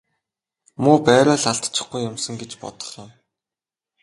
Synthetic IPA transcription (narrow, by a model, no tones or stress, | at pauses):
muːpæːɾʊːɮaɬt̪t͡ɕɪ̥̆χɡujːʊmsə̆ŋɡet͡ɕpɔ̰t̪ɞ̥̆χjʊ̆m